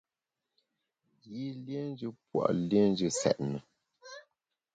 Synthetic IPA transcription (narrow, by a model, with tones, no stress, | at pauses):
ji˦lje˦n˦d͡ʒə˦pwa̰˨ʔlje˦n˦d͡ʒə˦sɛ̰˨ʔnə˨